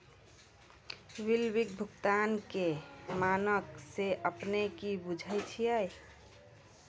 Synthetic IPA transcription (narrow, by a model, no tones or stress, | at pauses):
ʋilwik̚bʱʊkt̪ankemanəkseəpnekibud͡ʒʱəjt͡ʃʰiɛj